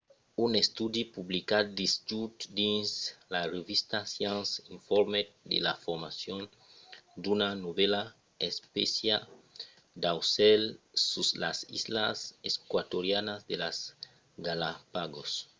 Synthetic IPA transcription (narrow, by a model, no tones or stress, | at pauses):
unest̪ud̪ipublikad̪d̪isd͡ʒut̪d̪ĩnslarevist̪asjãnsiɱfɔɾmed̪ḛlafoɾmasjõn | d̪unanoβela | espesja | d̪awselsuslasḭzla̰seskwat̪oɾjanazd̪elaz | ɡalapaɡos